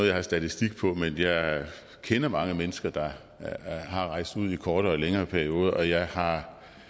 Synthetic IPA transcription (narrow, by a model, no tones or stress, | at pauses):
oð̩ˠjɑ̈hɑ̈sd̥æt͡sʰisd̥iɡ̥̚pʰɒ̽menjɑ̈ɪ | kʰenɐmɑ̈ŋəmenəsɡ̥ɐd̥ɑ̈ | ɦɑ̈ʁɑ̈ɪ̰sd̥uð̞̰ˠikʰɒːɾ̥ɐɒleŋɐːpʰæɐio̝ːð̞ˠɐʔɒ̽jɑ̈ɪhɑ̈